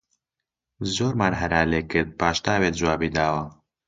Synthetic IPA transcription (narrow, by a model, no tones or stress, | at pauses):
zoːɾmaːnɦɐɾaːleːkɨɾd̪̚paːʃt̪aːbeːt̪̚d͡ʒuwaːbiːd̪aːwɐ